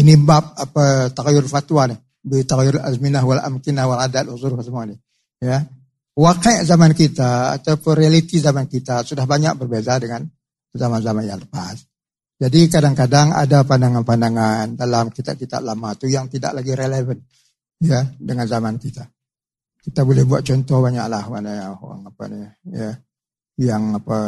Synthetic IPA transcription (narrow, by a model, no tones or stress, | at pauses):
ənibap̚apat̪aɣjʊrfat̪wanɪ | bit̪aɣjʊɾazminaɦwala̰mkinahwaladat̪̚wazuɾksəmuanɪh | jə | wakajʔzamankit̪a̰ːt̪awpʊnrialit̪izamankit̪asudahbaɲa̰k̚bərbezadəŋan | zamanzamanja̰ŋləpa̰s | d͡ʒadikadaŋkadaŋa̰dapandaŋanpandaŋandalamkit̪a̰p̚kit̪a̰ʔ̚lamat̪ujaŋt̪ida̰ʔlaɡiɾelevən | jədəŋanzamankit̪a | kit̪abolɛhbua̰t̪̚t͡ʃɔnt̪ɔhbaɲa̰ʔlahwana̰a̰ŋapa̰nijə | jaŋapa